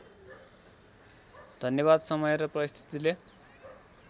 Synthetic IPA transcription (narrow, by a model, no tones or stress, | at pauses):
d̪ʱʌnjʌβad̪sʌmʌjɾʌprʌst̪ʰi̥t̪ile